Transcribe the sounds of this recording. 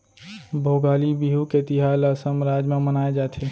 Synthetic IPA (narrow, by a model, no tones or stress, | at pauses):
bʱoɡaːlibiɦuket̪iɦaləsəmɾad͡ʒmẽmənaːed͡ʒat̪ʰe